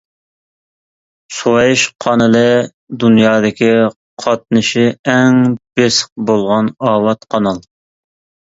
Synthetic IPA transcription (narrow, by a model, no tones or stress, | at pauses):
suwɑjɪʃqʰɑnɨlɨ | d̪unjɑːd̪ɪkʲi | qʰɑt̪̚nɨʃɪɛŋb̥esq̚bolˠʁɑnɑːwɑt̪qʰɑnɑlˠ